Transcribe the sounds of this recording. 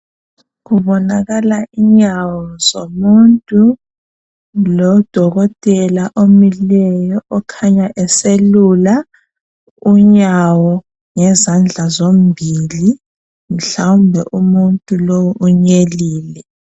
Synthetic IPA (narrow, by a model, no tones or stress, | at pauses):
ɣuβɔnaɣalaʔiɲawɔzomuntʼu | lɔd̥ʱɔɣɔtʼɛlaʔomilɛjɔʔɔkʰaɲaʔɛselula | uɲawɔ | ŋɛzand͡ɮʱazom̩bʱili | m̩ɬawumbʱɛ̰ʔumuntʼulowuʔuɲeliːlɛ